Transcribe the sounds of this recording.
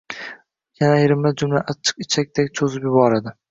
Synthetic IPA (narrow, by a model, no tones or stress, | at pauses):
jʲanajɪɾɪmlad͡ʒʊmlaʔat͡ʃʰːɨ̥qɪt͡ʃʰak̚ʲt̪ekʲt͡ʃʰozɪpjʊbɒɾad̪ɪ